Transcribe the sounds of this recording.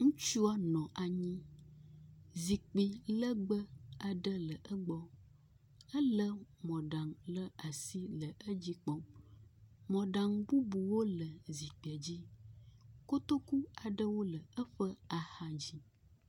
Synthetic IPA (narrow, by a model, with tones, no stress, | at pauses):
ŋũ˦t͡ʃu˦a˦nɔ̃˨ʔa˨ɲĩ˦ | zi˨k͡pi˨lə˦ɡ͡bə˦a˨ɖə˦lə˨ʔə˦ɡ͡bɔ˦ | ə˦lə˦mɔ̃˨ɖa˨ŋlə˦a˨si˦lə˨ʔə˦d͡ʑi˦k͡pɔ˦ | mɔ̃˨ɖa˨ŋbu˦bu˨wo˦lə˨zi˨k͡pi˨ɛ˨d͡ʑi˦ | ko˦t̪o˦ku˦a˨ɖə˦wo˦lə˨ə˦ɸə˦a˨ha˦d͡ʑi˦